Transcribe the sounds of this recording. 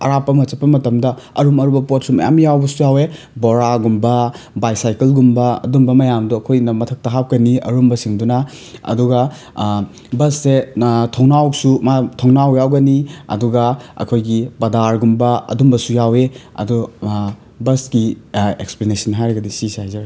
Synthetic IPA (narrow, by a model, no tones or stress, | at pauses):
ɐ̰ɾapːɐmɐt͡ʃɐpːɐmɐtɐmdɐɐɾumɐɾubɐpot̚sumɐ̰ja̰mjawbɐsujawe | boɾaɡumbɐ | bajsajkelɡumbɐɐ̰dumbɐmɐjamduɐkʰojnɐmɐtʰɐk̚tɐɦap̚kɐniɐ̰ɾumbɐsiŋdunɐ | ɐ̰duɡɐ | bɐsːetʰownawsumatʰownawjawɡɐniɐ̰duɡɐɐ̰kʰojɡipɐdaɾɡumbɐɐ̰dumbɐsujaweɐ̰du | bɐsɡieksplenesɐnɦajɾɐɡɐdisisajzaɾ